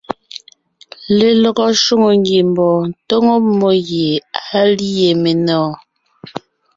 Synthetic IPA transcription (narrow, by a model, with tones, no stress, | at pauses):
le˨lɔ˨ɣɔ˦ʃu˦ŋo˨ŋɡe˨m˨bɔː˨n̩˨to˦ŋo˦mo˦ɣje˨a˦li˦je˨me˨nɔː˦˨